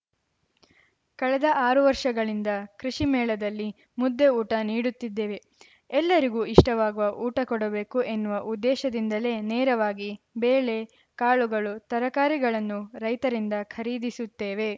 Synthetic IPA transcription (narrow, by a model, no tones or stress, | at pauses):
kɐɭɛd̪ɐʔaːɾuʋɐɾʂɐɡɐɭind̪ɐkɾiʂimɛːɭɐd̪ɐlːi | mud̪ːe̞uːʈɐniːɽut̪ːid̪ːeːʋe̞ | ɛlːɐɾiɡuːiʂʈɐʋaːɡuʋɐʔuːʈɐkɔɽɐbeːkuʔenːuʋɐʔud̪ːɛːʃɐd̪ind̪ɐle̞nɛːɾɐʋaːɡi | beːɭe̞ | kaːɭuɡɐɭut̪ɐɾɐkaːɾiɡɐɭɐnːuɾɐjt̪ɐɾind̪ɐkʰɐɾiːd̪isut̪ːeːʋe̞